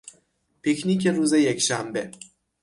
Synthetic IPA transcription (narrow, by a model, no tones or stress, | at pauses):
pʰikniːcʰe̞ɾuːzejecʃæmbe